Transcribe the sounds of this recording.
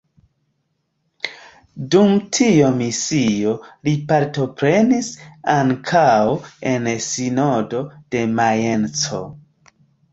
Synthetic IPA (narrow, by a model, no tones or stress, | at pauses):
dumtʰiomisio̞lipaɾto̞pɾe̞nisaŋkʰawe̞nsino̞do̞d̥e̞majent͡so̞̰